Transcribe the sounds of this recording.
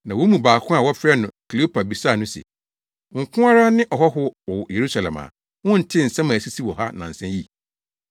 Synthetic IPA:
nã˨wo˦mũ˨baː˨kʰʊ̃˦a˨wɔ˦fɾɛ˦nʊ̃˨kʰi˨li˨˦o˦pʰa˨bi˨sa˦˨nʊ̃˦sɛ̰˨ | ŋ̩˨kʰʊ̃˦a˦ɾa˦nɪ̃˦ʔɔ˨ɦɔ˦ɦʊ˦ɔ˨je˨ɾu˦sa˨lɛ̰˨ma̰˨ | wʊ̃˦n̩˨tʰɪ̃˦n̩˨sɛ̃˦mã˨si˦si˦wɔ˨ɦa˦nã̰˨n̩˨sɛ̃˦ji˦

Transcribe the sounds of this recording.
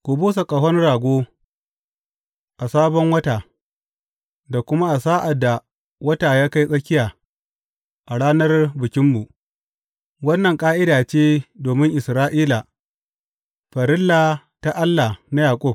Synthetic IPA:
kʷu˨buː˦s̬a˨kʼɐ˨ɦɔ˦nɽaː˨ɡʷoː˦ | ʔa˨saː˦bɔ˦ŋwɐ˦taː˨ | da˨kʷʊ˦ma˦ʔa˨saː˦ʔa˨dːa˨ | wɐ˦taː˨jaː˦ka˦jsʼɐ˦kʲɪ˦jaː˨ | ʔa˨ɽaː˦nɐ˦rbɪ˨kʲɪ˦mbu˨ʔ | wɐ˦nːɐ˨ŋkʼaː˦ʔɪ˦daː˨t͡ʃeː˦doː˨mɪ˦ŋʔɪ˨sɾaː˦ʔiː˦la˨ | ɸɐ˨ɾɪ˦lːaː˨ | ta˨ʔa˦lːa˨na˦jaː˨kʷʼʊ˦b̚

